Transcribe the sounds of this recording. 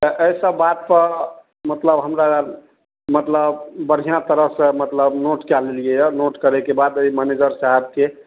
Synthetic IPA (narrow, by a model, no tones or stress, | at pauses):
t̪əʔəisəbːat̪̚pəɾ | mət̪ləbɦəmɾa | mət̪ləbbəɽ̤ijãt̪əɾəɦsẽmət̪ləbnoʈkaleliɛjənoʈkəɾekebad̪əimɛned͡ʒəɾsaɦɛb̚ke